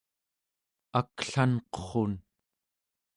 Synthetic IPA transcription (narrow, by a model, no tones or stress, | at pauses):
akɬanqo̥χon